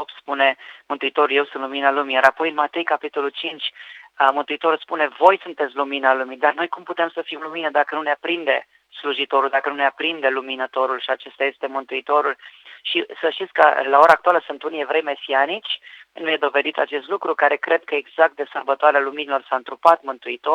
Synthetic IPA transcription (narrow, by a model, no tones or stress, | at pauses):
op̪spune̞mɨnt̪uit̪o̞ɾulje̞wsunluminalumijaɾapo̞jɨnmat̪ejkapit̪o̞lult͡ʃint͡ʃʲəmɨnt̪uit̪o̞ɾulspune̞vo̞jsunt̪et̪sʲluminalumid̪arno̞jkumput̪emsəfimluminəd̪akənuneapɾind̪e̞ | sluʒit̪o̞ɾuld̪akənuneapɾind̪eluminət̪o̞ɾulʃiat͡ʃe̞st̪aje̞st̪e̞mɨnt̪uit̪o̞ɾulʃisəʃt̪it̪sʲkə̰lao̞ɾaːkt̪ualəsunt̪unievɾejmesianit͡ʃʲnujed̪o̞ve̞d̪it̪at͡ʃe̞st̪lukɾukaɾe̞kɾʔe̞d̪̚kəeɡz̥ak̚t̪̚d̪e̞sərbət̪oaɾealuminilo̞rsaɨnt̪ɾupat̪mɨnt̪uit̪o